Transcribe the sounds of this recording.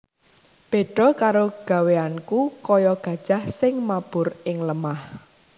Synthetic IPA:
b̥e̤ɖ̥ɔ̤kaɾoɡ̥a̤weankukɔjɔɡ̥ä̤d̥ʒ̥a̤hsɪŋmab̥ʊ̤rɪŋləmah

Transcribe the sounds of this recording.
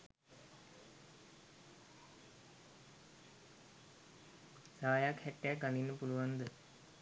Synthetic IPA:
saːjakhæʈːeækɡaninːəpuluʋand̪ə

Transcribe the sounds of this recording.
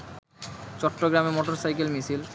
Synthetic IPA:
t͡ɕɔʈːoɡɾamemɔʈoɾsajkelmisil

